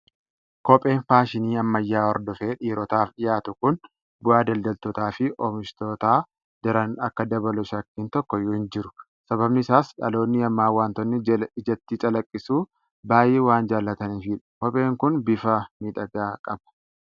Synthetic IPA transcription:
kɔpʼe̞ːnfaːʃɪniːɐmːɐjːaːɔɾd̪ɔfeːᶑiːɾɔt̪aːfɗɪjaːt̪ʊkʊn | bʊaːd̪ɐld̪ɐlt̪ɔt̪aːfɪʔɔmɪʃt̪oːt̪aː | d̪̥ɪɾɐnɐkːɐd̪ɐbɐlʊʃɐkːiːnt̪ɔkːɔjʊhɪnd͡ʒɪɾʊ̥ | sɐbɐbnɪsaːsᶑɐ̰lo̞ːnːɪɐmːaːwaːnt̪ɔnːɪɪd͡ʒɐt̪ːit͡ʃʼɐlɐkʼːɪsuː | baːjeːwaːnd͡ʒaːlːɐt̪ɐniːfɪᶑɐ̥kɔpʼe̞ːŋkʊnbɪfɐmiːᶑɐɡaːkʼɐb̥ɐ̥

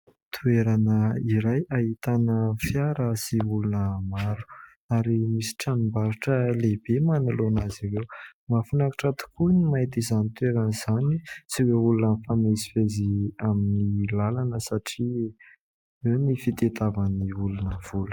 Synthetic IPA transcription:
t̪ʰueɾanəiɾajaɦit̪anəfjaɾəsiulunəmaɾu̥ | aɾimisi̥ʈ͡ʂanimbaɾiʈ͡ʂəleb̥emanulonazivewmafunakḁʈ͡ʂat̪u̥kunimait̪izanit̪ueɾaniz̥anit͡siweulunənfamezifeziaminilalanəsaʈ͡ʂi | wewnifit̪et̪avaniulunəv̥ul

